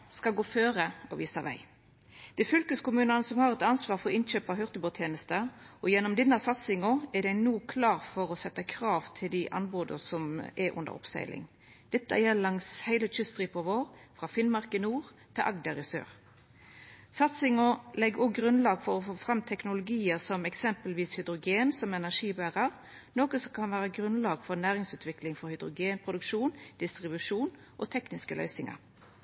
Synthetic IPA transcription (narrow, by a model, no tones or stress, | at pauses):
skɑɡoːføːʁəɔʋiːsɑʋæ̰ɪ | d̪̥ɪfʏlkəskʊmʉːnənəsɔmhɑːɾɛt̪ɑnsʋɑːʁfɔɾɪnc͡çøːpɑɦœʁt̪əboːt̪ʰjeːnəst̪əʔɔjɛnːɔmd̪ɛnːəsɑt̪sɪŋɔɛd̪æɪnuːkʰlɑːʁfɔɾɔsɛt̪ːəkʰɾɑːʋt̪ʰɪld̪ɪʔɑ̰nboːd̪ə̰sɔmɛʔʊ̰nd̪ə̰ɾɔ̰psæ̰ɪlɪ̰ŋ | d̪̥ɛt̪ːə̰jɛlːəlɑŋshæɪlət͡ʃʏst̪ʁipʰɔʋoːʁfɾɑfɪnmɑɾkəɪnuːʁ | t̪ʰɪʔɑɡd̪əɾɪsø̰ːʁ | sɑt̪sɪŋɔlɛɡɔɡʁʉnlɑːɡfɔɾɔfoːfɾɑmːt̪ʰɛknʊlʊɡiːəsɔmɛksɛmpəlʋiːshʏd̪ɾʊɡeːnsɔmɛnæʂiːbæːʁəʁ | noːkəsɔkʰɑnʋæːɾəɡɾʉnlɑːɡfɔɾnæːʁɪŋsʉːt̪ʰʋɪklɪŋfɔɾhʏd̪ɾʊɡeːnpʰɾʊd̪ʉkʃuːnd̪̥ɪst̪ʁɪbʉʂuːn | ʔɔt̪ʰɛknɪskəlœ̰ʏsɪŋɑ̰ɾ